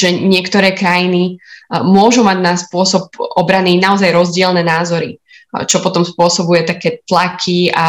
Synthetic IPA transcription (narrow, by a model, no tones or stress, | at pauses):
ʒɛɲɪɛkt̪ɔɾɛːkɾajinimʊɔʒumaɟnaspʊɔsɔp̚ʔɔbɾaniːnaɔzajɾɔzɟɪɛlnɛːnaːzɔɾi | t͡ʃɔpɔt̪ɔmspʊɔsɔbujɛt̪akɛːt̪lakʰia̰